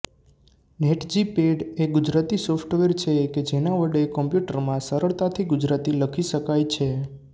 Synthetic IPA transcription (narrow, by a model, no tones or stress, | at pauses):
neʈd͡ʒipeɖeɡʊd͡ʒɾat̪isofʈʋeɾt͡ʃʰeked͡ʒenaʋəɽekəmpjuʈəɾmãsəɾəɭt̪at̪ʰiɡʊd͡ʒɾat̪iləkʰiʃəkajt͡ʃʰe